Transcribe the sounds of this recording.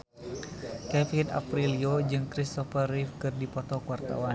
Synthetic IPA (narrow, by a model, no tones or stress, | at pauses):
kɛfina̰pɾiliod͡ʒɨŋkɾist̪ɔfarifkɨrdipɔt̪ɔkuwart̪a̰wan